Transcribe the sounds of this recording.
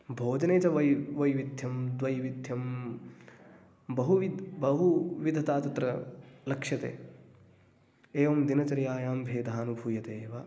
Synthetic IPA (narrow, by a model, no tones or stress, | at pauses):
bʱoːd͡ʒɐneːt͡ʃɐʋɐʋɐjʋid̪ʱjɐmd̪ʋɐjʋid̪ʱjɐm | bɐɦuʋid̪bɐɦuʋid̪ʱɐt̪aːt̪ɐt̪ɾɐlɐkʂɐt̪ḛː | eːʋɐmd̪inɐt͡ʃɐɾjaːjaːmbʱeːd̪ʱaːnubʱujɐt̪eːʋa